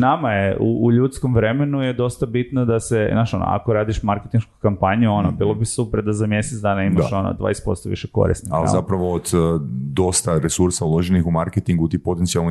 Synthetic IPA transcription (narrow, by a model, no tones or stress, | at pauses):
namajeṵːʎut̪skomʋɾe̞me̞nuje̞d̪o̞st̪abit̪nod̪asenaːʃo̞no̰a̰ko̞ɾaːd̪iʃmaɾket̪inʃkukampaɲijuo̞nobiːlˠo̞bisupɾd̪azamje̞set̪d̪aːnaimaʃʃo̞no̰d̪ʋa̰ːjest̪po̞̰st̪oʋḭʃeko̞̰ɾḭsnia̰l̰z̰zapɾaʋoːd̪d̪o̞st̪aɾesuɾsaulˠoʒenixumaɾket̪iŋɡut̪iːpo̞t̪ent̪sialˠni